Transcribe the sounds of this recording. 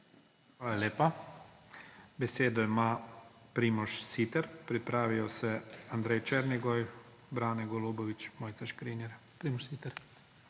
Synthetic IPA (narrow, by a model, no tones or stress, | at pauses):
xʋaːlalʲeːpa | bɛseːd̪ɔjimaːpɾiːmɔʃsit̪ɛɾpɾipɾaːʋijɔsɛand̪ɾɛjt͡ʃɛːɾnɛɡɔj | bɾaːnɛɡɔloːbɔʋit͡ʃmoːjt̪sɛʃkɾinjɛɾ | pɾiːmɔʃsit̪ɛɾ